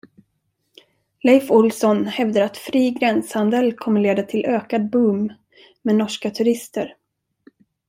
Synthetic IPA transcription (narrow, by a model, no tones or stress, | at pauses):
lɛjfʊlsɔnhɛvd̪əɾat̪fɾiːɡɾɛnshand̪əlkʰɔmːəɭeːd̪at̪ʰɪlʔøːkad̪̚bɵm | mɛnɔʂkat̪ʰɵɾɪst̪əɾ